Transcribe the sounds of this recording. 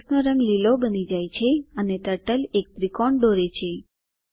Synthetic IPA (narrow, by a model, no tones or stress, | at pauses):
snoɾəŋɡlilobənid͡ʒajt͡ʃʰeəneʈəʈəlek̚t̪ɾikɔɳɖoɾet͡ʃʰe